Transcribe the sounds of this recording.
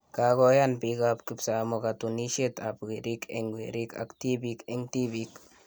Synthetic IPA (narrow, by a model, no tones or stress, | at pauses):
kakɔjanpikap̚kipsamokat̪uniʃet̪apkiɾikʰɛ̰ŋwḭɾika̰kt̪ibikɛŋt̪ibik